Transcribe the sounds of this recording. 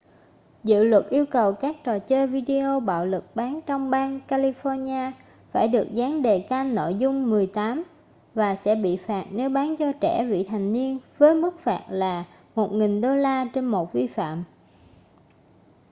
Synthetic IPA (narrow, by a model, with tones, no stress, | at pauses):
zɨ̰˧˨lwə˨˩t̚ʔi˧əwkə˨˩wkaː˦˥k̚t͡ɕɔ˨˩t͡ɕe˧vi˧ɗi˧ʔo˧ɓa̰ː˧˨wlɨ˨˩k̚ɓaː˨˦nt͡ɕɔ˧wŋ͡mɓaː˧nkaː˧li˧fɔ˧ɲaː˧ | faː˧˩jɗɨ˨˩ək̚zaː˨˦ŋɗe˨˩kaː˧nno̰˧˨jzʊ˧ŋ͡mmɨ˨˩əjt̪aː˨˦m | vaː˨˩sɛ̰˧˥ɓḭ˧˨faː˨˩t̚ne˨˦wɓaː˨˦nt͡ɕɔ˧t͡ɕɛ̰˧˩vḭ˧˨t̪ʰa˨˩jŋ̟ni˧ənvəː˨˦jmɨ˦˥k̚faː˨˩t̚laː˨˩ | mo˨˩t̚ŋi˨˩ŋɗo˧laː˧t͡ɕe˧nmo˨˩t̚vi˧fa̰ː˧˨m